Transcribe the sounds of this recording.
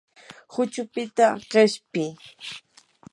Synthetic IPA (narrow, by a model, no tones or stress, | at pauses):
hʊt͡ʃʊpɪt̪aɢeʃpɪ